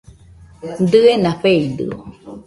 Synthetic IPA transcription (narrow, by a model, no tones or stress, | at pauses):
d̪ɨenaɸeid̪ɯ̰o̰